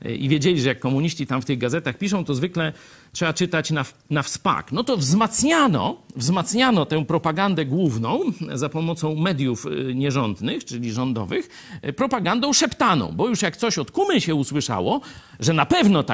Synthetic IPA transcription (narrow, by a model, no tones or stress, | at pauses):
ʔḭvʲjed͡ʑelʲiʐɛjakːɔmuɲiɕt͡ɕit̪amft̪ɘɣɡazɛt̪axpʲiʂɔ̃w̃t̪ɔzvɘklɛ | tʂɛbat͡ʂɘt̪at͡ɕna | nafspa̰knɔt̪ɔvzmat̪sɲanɔ̰vzmat̪sɲanɔt̪ɛ̃w̃pɾɔpaɡand̪ɛɡwuvnɔ̃w̃zapɔmɔt̪sɔ̃w̃mɛd̪ʲjufɲɛʐɔnd̪nɘxt͡ʂɘlʲiʐɔnd̪ɔ̰vɨx | pɾɔpaɡand̪ɔ̃w̃ʂɛpt̪anɔ̰̃w̃bɔjuʂjakt̪sɔɕɔt̪kumɘɕɛuswɘʂa̰wɔʐɛnapɛvnɔt̪a